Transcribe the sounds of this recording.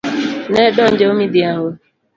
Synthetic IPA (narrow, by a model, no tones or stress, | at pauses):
nedɔn̩d͡ʒeomidiaɦʊ